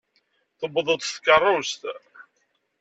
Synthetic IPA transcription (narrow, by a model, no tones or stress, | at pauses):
θəbðˤət̪ˤst̪kːərˤːʊst̪